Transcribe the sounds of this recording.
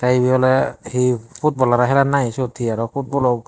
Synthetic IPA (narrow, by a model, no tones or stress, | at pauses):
tajbiɔlɛhipʰut̚bɔlaɾaɦɛlanajsotʰiaɾɔpʰut̚bɔlɔ